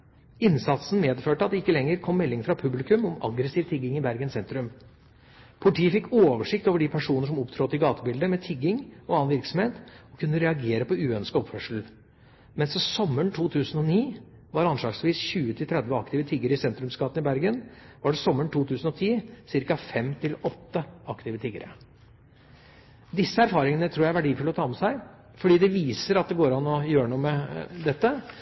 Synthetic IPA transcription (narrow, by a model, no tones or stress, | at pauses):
ɪnsɑt̪sn̩meːd̪føːʈəɑt̪̚d̪ɛɪkːəlɛŋːəɾkʰɔmːɛlːɪŋfɾɑpʰʉblɪkʉmɔmɑ̰ɡɾəsiːʋt̪ʰɪɡɪŋɪbæɾɡənsɛnt̪ɾʉm | pʰʊlɪʈʰiːəfɪkːoːʋəʂɪkt̪oːʋəɖɪpʰæʂuːnəʂɔmɔpt̪ʰɾoːt̪ɪɡɑːt̪əbɪld̪əmɛt̪ʰɪɡːɪŋɔɑːɑnʋɪɾksɔmheːt̪ɔkʰʉnːəɾɛɑɡeːɾəpɔʉːœnskɔpfœʂl̩ | mɛnsɔsɔmːəɳʈ̪ʰuːt̪ʰʉːsən̩ɔniː | ʋɑɾɑnʂɭɑːɡsʋiːsçʉːət̪ʰɪlt̪ʰɾɛd̪ʋəɑkt̪ɪʋət̪ʰɪɡəɾəɪsɛnt̪ɾʉmskɑːt̪ənɪbæɾɡənʋɑɖɛsɔmːəɳʈ̪uːt̪ʰʉːsn̩ɔt̪ʰiːsɪɾkɑfɛmt̪ʰɪlɔt̪ːəɑkt̪ɪʋət̪ʰɪɡə̰ɾə̰ | d̪ɪsːəæɾfɑːɾɪŋənət̪ʰɾuːjææɾʋæɖiːfʉlɔt̪ʰɑːmɛsæɪ | fɔɖiːd̪ɛʋiːsəɾɑt̪̚d̪ɛɡoːɾɑnːɔjøːɾəɳuːəmɛd̪ɛt̪ːə